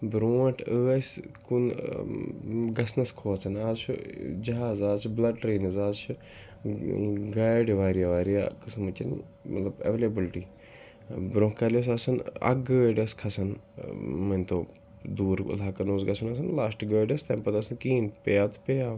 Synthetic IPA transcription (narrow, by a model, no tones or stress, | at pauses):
bɾõːɐ̃ʈʰəːskun | ɡɐsnɐskʰoːɐt͡sʰɐnaːzt͡ʃʰṵd͡ʒɐɦaːzaːzt͡ʃʰublɐɖɾeːnɐzaːzt͡ʃʰu | ɡaːjɖʋaːɾijaʋaːɾija̰kɐsɐmut͡ʃɐn | mɐt̪lɐbɐ̰ʋeːlebilʈiː | bɾõːkːaːlɐs̬ɐsɐnɐ̰ɡɡəːɖɐskʰɐsɐn | mɐnʲt̪ʰo | d̪uːɾṵlaːkɐnoːsɡɐsʰɐnɐsɐnlaːsʈɡəːɖɐst̪ʰãːmpɐt̪ɐsɐnkĩːnt̪pejaːt̪ʰu̥peːjaː